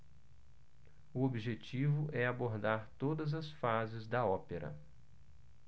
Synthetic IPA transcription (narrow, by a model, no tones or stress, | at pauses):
uobiʒet͡ʃivʊʔɛaboɾd̪aɾt̪od̪ɐzɐsfazɪzd̪ɐɔpeɾɐ̰